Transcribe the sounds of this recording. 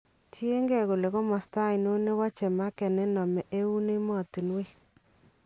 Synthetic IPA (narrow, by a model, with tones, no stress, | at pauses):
tje˦ŋɡɛ˦˨ko˨le˨ɣo˦ma˨sta˦˨jno˦ne˦wa˦t͡ʃɛ˨ma˦kɛ˨nɛ˦nɔ˨mɛ˨ʔe˦u˦ne˦mɔ˦˨ti˨nwe˦